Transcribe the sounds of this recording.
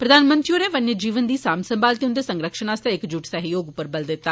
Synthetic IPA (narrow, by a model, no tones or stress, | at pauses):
pɾəd̪aːnmə̃nt̪ɾioːneːʋənjəd͡ʒiːʋənd̪iːsaːmsəmbaːlt̪eʊnd̪eːsə̃ŋɡɾəkʃənaːst̪eɪkd͡ʒuːʈsəɦjoːɡʊpːəɾbəld̪ɪt̪ːaː